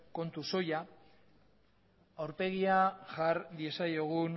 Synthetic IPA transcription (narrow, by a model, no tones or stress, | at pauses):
ko̞nt̪uso̞ja | awɾpe̞ɣ̞iaʝaɾd̪ie̞sajoɣ̞un